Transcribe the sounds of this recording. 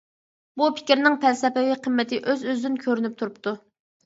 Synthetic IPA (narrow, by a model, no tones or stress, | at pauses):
bupʰɪ̥kʲɾnɪŋpʰɛlsɛpɛviqʰəmːɛt̪ʰɪʔøzøzd̪ɪnkʲʰøɾynyp̚t̪ʰuɾup̚t̪ʰu